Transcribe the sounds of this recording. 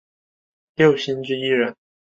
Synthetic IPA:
ljo˥˨˩ʊɕi˥nʈ͡ʂɻ̩˥˧i˥ɻə˧˥n

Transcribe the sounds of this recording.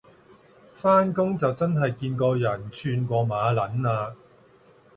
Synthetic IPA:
faː˥nkʊ˥ŋt͡sɐ˨wt͡sɐ˥nɦɐ˨jkiː˧nkɔː˧jɐ˨˩nt͡ʃʰyː˧nkʷɔː˧maː˨˧lɐ˨˥naː˧

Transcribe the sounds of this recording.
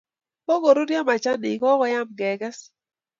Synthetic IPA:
po˦ɡo˨ɾu˦dja˦ma˨t͡ʃa˦nɪ˨kɔ˦kɔ˦ja˦mɡɛ˨ɡɛ˦s

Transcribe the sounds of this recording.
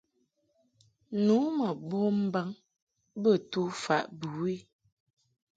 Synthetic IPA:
nu˨˦mə˨bo˦m̩˦ba˦ŋ | bə˦˨tu˦fa̰˨ʔbu˨i˦

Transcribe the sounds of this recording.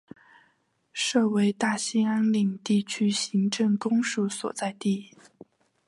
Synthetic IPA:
ʂɤ˥˩we˧˥ɪt̪a˥˩ɕi˥ŋa˥nli˨˩ŋt̪i˥˩t͡ɕʰy˥ɕi˧˥ŋʈ͡ʂɤ˥˩ŋkʊ˥ŋʂu˥˩swɔ̰˨˩t͡sa˥˧ɪt̪i˥˩

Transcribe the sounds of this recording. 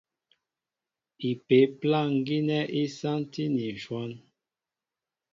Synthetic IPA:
i˨pe˨˦pla˦˨ŋ̩˦ɡi˦nɛ˦ʔi˦sa˦nti˦ni˨n̩˨ʃwɔ˦n

